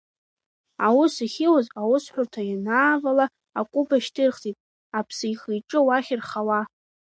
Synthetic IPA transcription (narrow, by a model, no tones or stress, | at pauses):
awʊsiχʲɪwazawʊsħʷᶣʊrtʰajanaːvalaː | kʷʼubaʃtʰɨrχtʰʼitʼ | apʰsɨjχijʈ͡ʂʼɨwaχʲɪrχawa